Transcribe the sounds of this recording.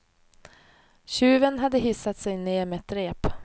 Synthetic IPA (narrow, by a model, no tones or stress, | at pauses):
ɕʉ̟ːvənɦad̪ːəɦɪsːat̪sɛjneːɾmɛt̪ʰɾeːp